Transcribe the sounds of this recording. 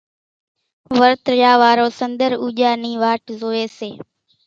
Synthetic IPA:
ʋəɾt̪jaːʋaːɾoːsənd̪əɾuːʄaːniːʋaːʈzoːeːseː

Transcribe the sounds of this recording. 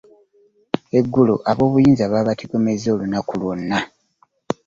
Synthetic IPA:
e̞ɡːuluʔaβo̞ːβujiːnzaβaːβatiɡo̞mezoːlunakulwunːa

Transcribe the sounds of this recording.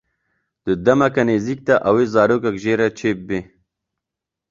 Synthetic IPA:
d̪̥əd̪ɐmɐkɐneːzik̚t̪aʔɐwezɑːɾoːkɐkʒeːɾɐt͡ʃʰeːp̚be

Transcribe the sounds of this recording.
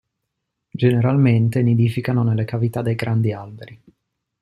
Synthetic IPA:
d͡ʒeneɾalment̪enid̪ifikanonelːekavit̪ad̪ːejɡɾʔand̪ialbeɾi

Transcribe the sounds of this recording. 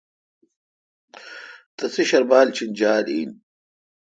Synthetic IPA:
t̪ɐsiɕɐɾbaːlt͡ɕʰind͡ʑaːlḭːn

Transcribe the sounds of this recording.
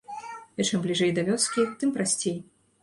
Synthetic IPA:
ɛt͡ʂɛmblʲiʐɛjd̪ɐvʲɔskʲixt̪ɨmpɾasʲt͡sʲej

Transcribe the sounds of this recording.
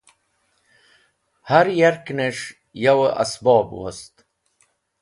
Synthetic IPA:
haɾjaɾkneʂ | jawʔa̰sbɑːbwo̰st̪

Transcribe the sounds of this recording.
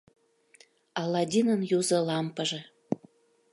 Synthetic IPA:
ɑlːɑdʲinənjuzɤ̆lɑmpəʒĕ

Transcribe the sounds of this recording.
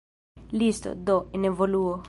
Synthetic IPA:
list̪o̰d̪ɔinevoluo

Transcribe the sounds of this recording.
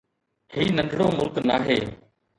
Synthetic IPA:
hiːnənɖʱɽoːmʊlknaːɦeː

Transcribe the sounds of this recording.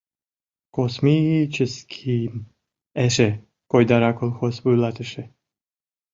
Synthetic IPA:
kosmit͡ʃəskʰim | ɛʃe | kojd̪aɾakolxosbujlˠat̪əʃe

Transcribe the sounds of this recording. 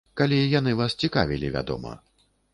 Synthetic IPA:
kalʲijanɨvast͡sʲikavʲilʲivʲa̰d̪ɔ̰mɐ̰

